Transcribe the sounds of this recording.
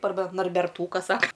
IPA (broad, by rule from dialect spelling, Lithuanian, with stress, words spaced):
ɐrˈbɐ nɐrʲbʲɛrˈtuːkɐs ˈsɑːkɐ